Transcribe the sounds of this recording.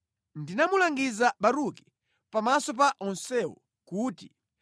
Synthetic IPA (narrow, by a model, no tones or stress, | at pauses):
ndinamulaŋɡizaɓaɾuki̥ | pamasɔp̬aʔɔnsɛwɔ̰ | kuːti̥